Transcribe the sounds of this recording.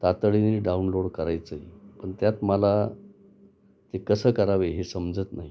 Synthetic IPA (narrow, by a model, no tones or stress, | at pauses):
t̪at̪əɭinɾiɖaunloɽkəɾajt͡səipəɳt̪jat̪məla | t̪ekəsəːkəɾaʋeɦesəmd͡zət̪naɦi